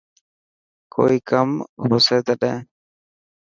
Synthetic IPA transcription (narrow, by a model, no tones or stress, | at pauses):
kʰo̰ːiːkəmɦosɛːt̪əɗɛ̃